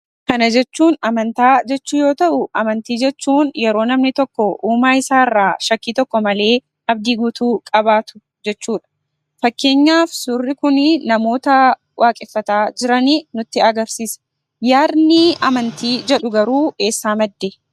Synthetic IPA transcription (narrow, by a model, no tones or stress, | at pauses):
kɐnɐd͡ʒɛt͡ʃːuːnɐmɐnt̪aːd͡ʒɛt͡ʃːuːjo̞ːt̪ɐʔʊʔɐmɐnt̪iːd͡ʒɛt͡ʃːuːnjɛɾo̞ːnɐmnɪt̪ɔkːɔʔuːmaːɪsaːɪrːaːʃɐkːiːt̪ɔkːɔmɐle̞ː | ʔɐb̚d̪iːɡuːt̪uːkʼɐbaːt̪ʊ̥ | d͡ʒɛt͡ʃːuːᶑɐ̥ | fɐkːe̞ːɲːaːfsʊrːɪkʊnɪnɐmo̞ːt̪ɐ | wʔaːkʼɪfːɐt̪aːd͡ʒɪɾɐninʊt̪ːɪɐɡɐɾsiːsɐ̥ | jaːɾnɪɐmɐnt̪iːd͡ʒɛᶑʊɡɐɾuːʔe̞ːsːaːmɐd̪ːe